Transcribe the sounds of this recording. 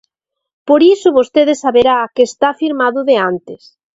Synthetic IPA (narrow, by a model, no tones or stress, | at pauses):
poɾisʊβost̪eðesaβeɾakeːst̪afiɾmaðʊðeant̪ɪs